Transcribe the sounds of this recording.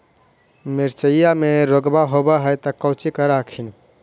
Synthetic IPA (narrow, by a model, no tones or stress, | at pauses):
miɾsəjameɾoɡbaɦobəɦəjt̪əkɔwt͡ʃikəɾakʰin